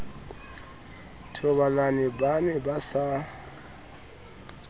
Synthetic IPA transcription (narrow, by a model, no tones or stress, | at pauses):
tʰʊbalanɪbanɛbasa